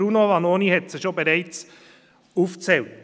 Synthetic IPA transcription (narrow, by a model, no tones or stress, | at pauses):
ɾunoɑnoːnihɛtsɪʃobeɾɛɪt͡s | uːft͡sɛlt